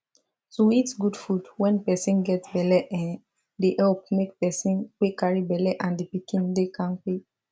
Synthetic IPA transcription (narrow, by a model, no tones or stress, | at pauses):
soitsɡudfudwɛ̃npɛsĩnɡɛtbɛlɛʔɛ̃n | deʔɛlp̚mekpɛsĩnk͡pekaɹibɛlɛʔãndipikĩndekãnk͡pe